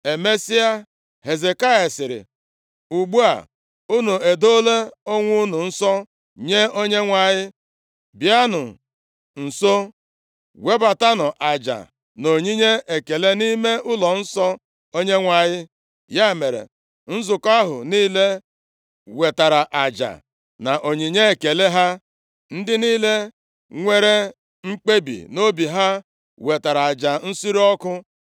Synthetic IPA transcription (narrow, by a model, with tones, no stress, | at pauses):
e˨me˦si˦a˦ | he˨ze˨ka˦je˨sɪ˨ɾɪ̰˨ | u˨ɡ͡bu˦a̰˨ | u˦nu˨e˨do˦le˦o˦ŋʷʊ˦nʊ˨n̩˦sɔ˦ | ɲe˦o˦ɲe˦ŋʷa˨ɲɪ˦ | bja˦nʊ̰˨ | n̩˨so˦ | we˦ba˨ta˦nʊ˨ʔa˨d͡ʒa̰˨ | no˨ɲi˦ɲe˦e˨ke˨le˦ni˦me˦ʔʊ˦lɔ˨n̩˦sɔ˦ | o˦ɲe˦ŋʷa˨ɲɪ˦ | ja˦˨me˨ɾḛ˨ | n̩˦zʊ˨ka˦ɦʊ̰˨niː˦le˦ | we˨ta˨ɾa˨ʔa˨d͡ʒa̰˨ | na˨ʔo˨ɲi˨ɲe˦e˨ke˨le˦ɦa˦ | n̩˦dɪ˦niː˦le˦ | ŋʷe˦ɾe˦ | ŋ͡m̩˦k͡pe˦bḭ˨no˦bi˨ɦa˦ | we˨ta˨ɾa˨a˨d͡ʒa˨n̩˦si˦ɾi˦ɔ˦kʊ˦